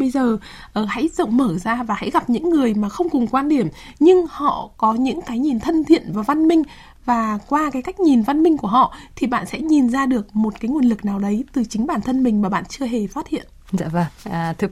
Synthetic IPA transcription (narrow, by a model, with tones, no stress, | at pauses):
ɓə˧jzəː˨˩ | ʔəː˨˩ha̰˧˥jzə̰˧˨wŋ͡mməː˧˩zaː˧vaː˨˩ha̰˧˥jɣa˨˩p̚ɲɨ̰˧˥ŋːɨ˨˩əjmaː˨˩xə˧wŋ͡mkʊ˨˩ŋkwaː˧nɗi˧˩əm | ɲɨ˧ŋhɔ̰˧˨kɔ˨˦ɲɨ̰˧˥ŋkaː˨˦jɲi˨˩nt̪ʰə˧nt̪ʰḭ˧˨ənvaː˨˩wva˧nmï˧ŋ̟ | vaː˨˩kwaː˧kaː˨˦jka˦˥k̚ɲi˨˩nva˧nmï˧ŋ̟ku˧˩əɦɔ̰˧˨t̪ʰi˨˩ɓa̰ː˧˨nsɛ̰˧˥ɲi˨˩nzaː˧ɗɨ˨˩ək̚mo˨˩t̚kaː˨˦jŋu˨˩ənlɨ˨˩k̚naː˨˩wɗə˨˦jt̪ɨ˨˩t͡ɕï˨˦ŋ̟ɓaː˧˩nt̪ʰə˧nmï˨˩ŋ̟maː˨˩ɓa̰ː˧˨nt͡ɕɨ˧əɦe˨˩fa˦˥t̚hḭ˧˨ən | za̰ː˧˥və˧˩ŋː˨˩t̪ʰɨ˨˧˩